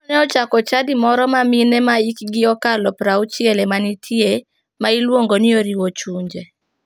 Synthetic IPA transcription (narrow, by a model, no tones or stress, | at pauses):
ɔnɛɔt͡ʃakɔt͡ʃadɪmɔɾɔmaminɛmaikɡɪɔkalɔpɾaut͡ʃjɛlɛmanitʰje | mailwoŋɡonɪoɾiwot͡ʃuɲd͡ʒe